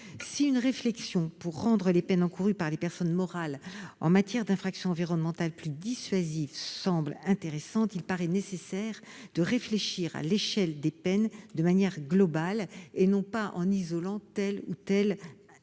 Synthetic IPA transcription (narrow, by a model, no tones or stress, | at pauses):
siynʁeflɛksjɔ̃puʁːɑ̃d̪ʁəlepɛnɑ̃kuʁypaʁlepɛʁsɔnmɔʁalɑ̰̃mat̪jɛʁd̪ɛ̃fχaksjɔ̃ɑ̃viʁɔnmɑ̃t̪alplyd̪isɥazivsɑ̃blɛ̃t̪eʁesɑ̃t̪ilpaʁɛnesesɛʁ | d̪̥əʁefleʃiʁa̰leʃɛld̪epɛnd̪əmanjɛʁɡlɔbalenɔ̃paʔɑ̰̃nizɔlɑ̃t̪ɛlṵt̪ɛl